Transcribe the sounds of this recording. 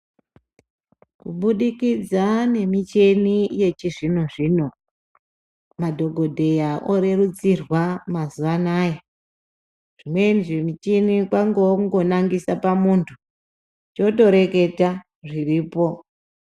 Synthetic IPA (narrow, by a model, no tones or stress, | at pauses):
kuɓuɗikid͡zane̞mit͡ʃe̞nije̞t͡ʃiʐinoʐiːno̞ | madʱo̞ɡʱo̞dʱe̞jaoɾe̞rut͡sirwamazuʋanaje | ʐ̥ime̞niʐimit͡ʃenikwaŋɡoŋɡo̞naŋɡisapamuntʰu | t͡ʃo̞to̞ɾe̞ke̞ta | ʐiriːpo̞